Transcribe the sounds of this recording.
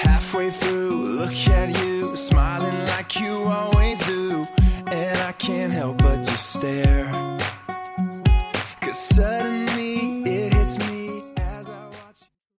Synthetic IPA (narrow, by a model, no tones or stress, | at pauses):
hæfweɪθɹulʊkɨt͡ʃʉsmaɪlˠɪ̃ŋlaɪkʰjɨɔlˠwizdʉ | ɨ̃naɪkʰæ̃n̚ɦɛlˠp̚b̥ʌt̚d͡ʒ̥ʌstðɛ | kʰʌz̥sɜ˞ʔn̩liɪt̚hɪtsmiɨzaɪwɑt͡ʃ